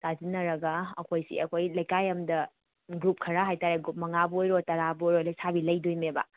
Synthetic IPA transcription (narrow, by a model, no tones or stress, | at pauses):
tazinɐɾɐɡɐɐkʰojsḭɐkʰojlɐjkajɐmdɐ | ɡɾup̚kʰɐɾaɦajtaɾeɡɾup̚mɐŋabojɾotɐɾabojɾojlɐjsabilɐjdojmebɐ̰